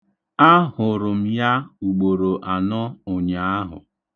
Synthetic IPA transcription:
a˦ɦʊ˨ɾʊ˨m̩˨ja˦u˨ɡ͡bo˨ɾo˨ʔa˨nɔ˦ʊ˨ɲa˨a˦ɦʊ̰˨

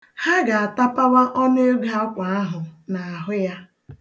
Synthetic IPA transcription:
ha˦ɡa˨a˨ta˦pa˦wa˦ʔɔ˦ne˦e˦ɡa˦ɔ˦kʷa˨a˦ɦʊ˨na˨a˨ɦʊ˦ja˦

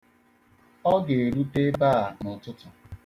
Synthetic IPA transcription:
ɔ˦ɡe˨e˨ɾu˦te˦ba˦a˨nʊ˨tʊ˦tʊ˨

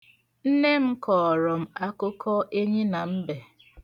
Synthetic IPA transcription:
n̩˦ne˦m̩˦kʰɔː˨ɾɔ˨m̩˦a˦kʊ˦kʰɔ˦ʔe˦ɲi˦na˨m̩˦be˨

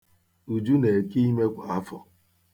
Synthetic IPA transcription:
u˨d͡ʒu˦ne˨ki˦i˦me˦kʷa˨a˦fɔ˨

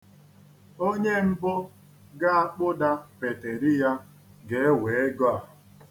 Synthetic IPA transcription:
o˦ɲe˦m̩˦bo˦ | ɡa˦a˦k͡pʊ˦da˦pe˨te˨ɾi˦ja˦ | ɡe˦we˨e˦ɡɔ˦a˨

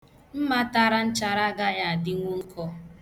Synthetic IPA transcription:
m̩˦ma˦ta˦ɾa˦n̩˦t͡ʃa˨ɾa˦ɡa˦ja˦a˨dɪ˦ŋʷo˦ŋ̩˦kʰɔ˦

